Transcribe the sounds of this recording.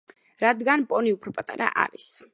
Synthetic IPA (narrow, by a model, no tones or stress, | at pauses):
ɾad̪ɡanpʼɔniupʰɾɔpʼat̪ʼaɾa̰ʔa̰ɾis